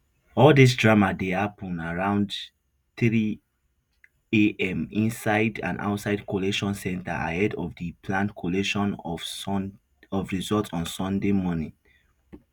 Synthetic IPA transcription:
ɔldis̬dɹamadeapɔ̃naɹãʊ̃nd | θɹi | eʔɛ̃mĩnsaɪdã̰nʔa̰ʊtsaɪdkʰoleʃɔ̃nsɛ̃nta̰ʔa̰hɛdɔvdəpʰlãntkʰoleʃɔ̃n | ɔfɹizɔltsɔ̃nsɔ̃ndemɔnĩŋ

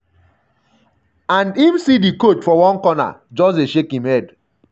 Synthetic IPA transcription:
ãndimsidikot͡ʃfɔwɔ̃nkɔna̰d͡ʒɔs̬eʃekĩmhɛd

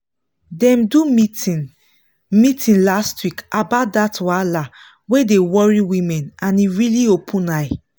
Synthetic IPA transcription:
dɛ̃mdumi | mitʰĩnlastwikʔabaʊt̚datwala | wedewɔɹiwĩmɛ̃nãniɹiliopʰũnaɪ

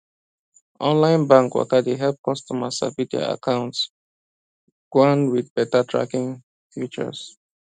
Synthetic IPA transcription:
ʔɔ̃nlãɪ̃nbãŋkwɔ̰kadeɦɛlp̚kʰɔstɔmasa̰vidia̰a̰kʰãʊ̃nts | ɡ̥ãnwidbɛtatʰɹa̰kĩŋ | fjut͡ʃə̰s

